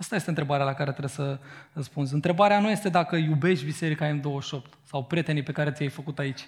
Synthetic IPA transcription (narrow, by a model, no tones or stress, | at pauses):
ast̪ajest̪eɨnt̪ɾe̞baɾealakaɾe̞t̪ɾesərəspunzʲɨnt̪ɾe̞baɾeanuje̞st̪e̞d̪akəjube̞ʃt̪ʲbise̞ɾikaemd̪owəʃo̞pt̪sawpɾʲje̞t̪e̞nipe̞kaɾe̞t̪sijajfəkut̪ait͡ʃʲ